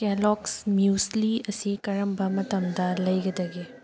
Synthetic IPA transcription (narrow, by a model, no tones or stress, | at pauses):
kɛlɔksmjusliɐsikɐɾɐmbʱɐmɐt̪ɐmd̪ɐlɐjɡɐd̪ɐɡe